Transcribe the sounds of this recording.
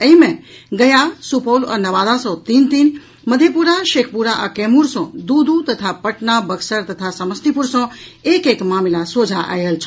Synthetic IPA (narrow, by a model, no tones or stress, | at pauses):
əjmẽ | ɡəjasupolə̰nəʋad̪ãsõt̪int̪in | məd̪ʱjepuɾaʃekʰpuɾaʔakɛmuɾsɔ̃d̪ud̪ʱũt̪ət̪ʰapəʈnabəksəɾt̪ət̪ʰasəməst̪ipuɾsɔ̃ekekmamilasod͡ʒʱaʔa̰jelt͡ʃʰ